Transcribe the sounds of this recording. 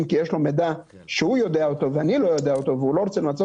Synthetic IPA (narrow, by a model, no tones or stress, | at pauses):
mkijeʃlo̞med̪a | ʃeujo̞d̪eaot̪o̞veanilo̞jo̞d̪eaot̪o̞veulo̞ʁot͡semlat͡so